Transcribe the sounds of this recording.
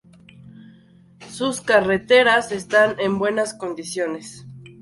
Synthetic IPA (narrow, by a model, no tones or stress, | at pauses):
suskare̞t̪e̞ɾase̞st̪ane̞mbwe̞nasko̞nd̪isjo̞ne̞s